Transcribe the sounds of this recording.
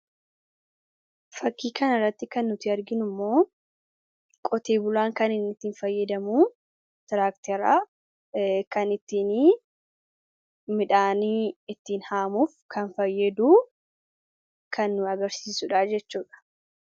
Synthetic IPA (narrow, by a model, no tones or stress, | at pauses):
fɐkːiːkɐnɐrːɐt̪ːɪkɐnːʊt̪ɪɐɾɡɪnʊmːo̞ː | kʼɔt̪eːbʊlaːŋkɐnɪnːɪt̪ːiːnfɐjːɐd̪ɐmuː | t̪ɪɾaːkt̪ɛɾa | kɐnɪt̪ːiːni | mɪᶑaːniɪt̪ːiːnhaːmuːfkʰɐnfɐjːɐd̪uː | kʰɐnːʊɐɡɐɾsiːsʊᶑaːd͡ʒɛt͡ʃːuːᶑɐ̥